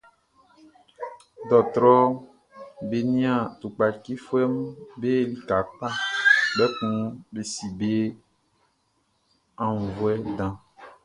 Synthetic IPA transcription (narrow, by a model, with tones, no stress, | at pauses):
d̪ɔ˨t̪ɾɔ˦ | be˨nĩ˦ã˨t̪u˨k͡pa˨ki˦fu˦ɛ˦mbe˦li˨ka˨k͡pa˦bɛ˦kũ˦be˨si˨be˦ | ã˨ŋ˨vo˨˦ɛ˦dã˦